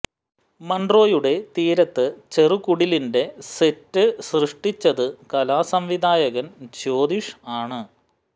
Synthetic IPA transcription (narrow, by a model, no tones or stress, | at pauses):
mɐndro̞ːjuɽe̞t̪iːɾɐt̪ːɨt͡ɕe̞rukuɽilinde̞setːɨsrɨʂʈit͡ɕːɐðɨkɐlaːsɐmʋid̪ʱaːjɐɣɐnt͡ɕo̞ːd̪iʂaːɳɨ